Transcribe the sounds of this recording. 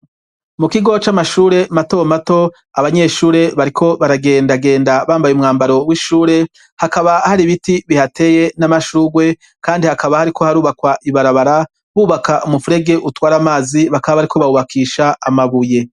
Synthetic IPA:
mukiɡo̞t͡ʃamaʃuːɾe̞matomato̞ | aβaɲe̞ʃuːɾe̞βaɾikʰo̞βaɾaɡe̞ːndaɡe̞ːndaβaːmbajumŋaːmbaɾo̞wiʃuːɾe̞ | hakaβahaɾiβitiβihate̞je̞namaʃuːɡwe̞ | kaːndihakaβahaɾikʰo̞haɾuːβakwaʔiβaɾaβaɾa | βuːβakaʔumufuɾe̞ɡe̞ʔutwaːɾamaːziβakaβaβaɾikʰo̞βauβakʰiːʃaamaβuje̞

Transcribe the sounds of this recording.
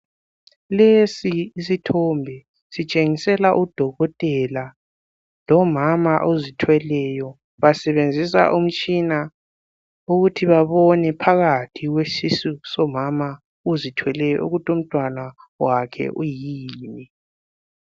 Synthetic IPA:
lesiːsitʰɔmbʱɛ | sit͡ʃʼeŋisɛlaʔud̥ʱɔɣɔtʼɛla | lɔmamaʔozitʰwɛlɛjɔ | βasɛβend͡zʱisa̰ʔum̩t͡ʃʼina | uɣutʰiβaβɔnɛpʰaɣatʰiɣwesisusɔmama | uzitʰwɛlɛjɔ̰ʔṵɣutʰum̩tʼwanawakʰɛ̰ʔujiiːni

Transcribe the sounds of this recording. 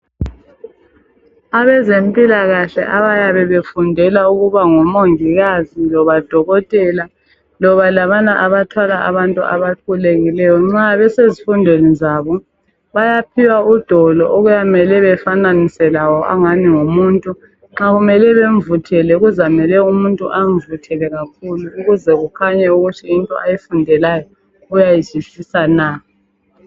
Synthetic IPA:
aβɛzempʼilaɣaɬɛ̰ʔaβajaβɛβefundʱɛlauɣuβaŋɔmoŋiɣazilɔβad̥ʱɔɣɔtʼɛla | lɔβalaβanaʔaβatʰwalaʔaβantʼṵa̰βakʰuleɣilɛjɔŋ͡ǁaβɛsezifundʱenizaβɔ | βajap̚ʰiwaud̥ʱɔlɔʔoɣujamɛlɛβɛfananisɛlawɔʔa̰ŋaniŋumuːntʼu | ŋ͡ǁaɣumɛlɛβeɱvutʰɛlɛɣuzamɛlɛumuntʼṵʔaɱvutʰɛlɛɣakʰuluːɣuzɛɣukʰaɲɛuɣutʰiintʼɔ̰ajifundʱɛlajɔ | ujajit͡ʃisisanaː

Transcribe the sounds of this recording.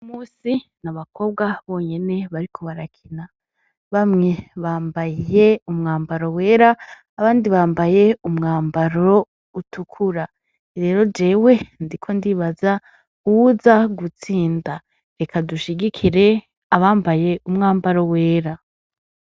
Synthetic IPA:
umuːsinaβakʰo̞b̚ɡwaβo̞ːɲe̞ne̞βaɾikʰo̞βaɾakʰina | βamŋe̞βaːmbaje̞umŋaːmbaɾo̞we̞ːɾaː | βaːndiβaːmbaje̞umŋaːmbaɾo | utʰukʰuɾa | ɾe̞ːɾo̞d͡ʒe̞ːwe̞ndikʰo̞ndiβaza | uuzaɡut͡siːnda | ɾe̞kʰaduʃiɡikʰiɾe̞ | aβaːmbaje̞umŋaːmbaɾo̞we̞ːɾa

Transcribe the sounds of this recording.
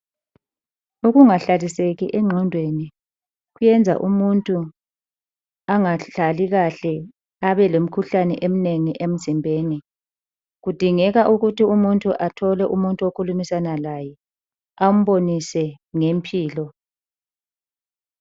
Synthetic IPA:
uɣuŋaɬaliseɣḭʔɛŋ͡ǁʱɔndʱweni | ɣujɛnd͡zʱa̰ʔumuntʼu | aŋaɬaliɣaɬɛ | aβɛlom̩kʰuɬanɛʔem̩neŋiʔem̩zimbʱeːni | ɣud̥ʱiŋɛɣaʔuɣutiumuntʼuʔatʰɔlɛʔumuntʼuokʰulumisanalaːjɛ | am̩βonisɛ | ŋempʰiːlɔ

